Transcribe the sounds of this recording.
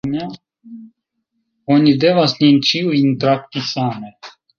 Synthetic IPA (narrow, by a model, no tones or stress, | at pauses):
ma | ɔnʲid̪evasnʲint͡ʃiuint̪ɾak̚t̪isame